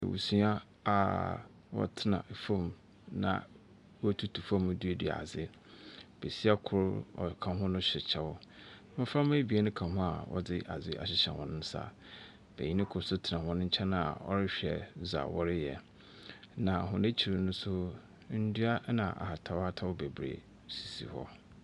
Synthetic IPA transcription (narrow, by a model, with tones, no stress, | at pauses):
ɛ̰˨wʔṵ˨su˦a˦ | a̰˨ | wɔ̰˦tʰɪ˦nã̰˨fõ˦˨m | nã̰˨ | wɔ˦tʰu˦tʰu˨fã˦˨m˨du˦e˦di˨a̰˨a˨zɪ˦ | b̥e˨si˦a˦kʰʊ˦ɾɔ̰˨kʰã˨ɦʊ̃˦nʊ̃˦ɕᶣɪ˨t͡ɕʰɛ˨wʊ˦ | mɪ̃˦fɾa˦m˦e˦bi˨e˦nʊ̃˦kʰã˨ɦʊ̃˦a̰˨wɔ̰˦dɪ˦ʔa˨zɪ˦ʔa̰˨ɕɪ˨ɕɛ̰˨wɔ̰̃˨nʊ̃˦n̩˦sa̰˦ | b̥æ̰˨ɲĩ˦nɪ̃˦kʰʊ˦sʊ˦tʰɪ˨nã˨hɔ̃˨nʊ̃˦ɲ̩˦t͡ɕʰɛ˦nã˨a̰˨ɔ̰˦ɾɪ˦ɕᶣɛ̰˨za̰˨wɔ˦ɾɪ˦jɛ˨ | nã˨ɦʊ̃˨ne˦t͡ɕʰi˨ɾɪ˨nʊ̃˦sʊ˦ | n̩˦du˦a˦nã˨ʔa̰˨ha˨tʰa˨wa˦tʰa˦wʊ˦be˨bɾḛ˨ | si˨sḭ˨hɔ̰˦